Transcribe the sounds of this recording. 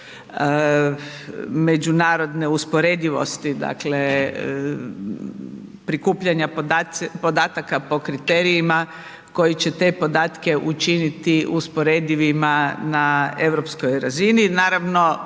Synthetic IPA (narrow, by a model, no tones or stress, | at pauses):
ə | me̞d͡ʒunaːɾo̞d̪neuspoɾe̞d̪iʋo̞̰st̪id̪a̰kle | pɾikuːpʎaɲaapo̞d̪aːt̪akapo̞kɾit̪e̞ːɾijima | ko̞jit͡ɕe̞t̪e̞po̞d̪aːt̪ke̞ʔut͡ʃinit̪iʔuspo̞ɾed̪iʋimanae̞ʋɾo̞pskojɾazininaːɾaʋno̞